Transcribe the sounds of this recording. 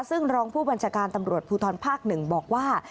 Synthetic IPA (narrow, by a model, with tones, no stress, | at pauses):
sɯ˥˩ŋɾɔː˦˥ŋpʰuː˥˩ba˧nt͡ɕʰaː˧kaː˧nt̪a˧mɾu˨˩ət̪̚pʰuː˧t̪ʰɔː˧npʰaː˥˩k̚nɯ˨˩ŋbɔː˨˩k̚waː˥˩